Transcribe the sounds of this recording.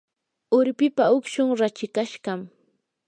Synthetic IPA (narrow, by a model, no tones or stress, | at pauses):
ʊɾpɪpaʊkʃʊŋɾat͡ʃɪkaʃɢɑm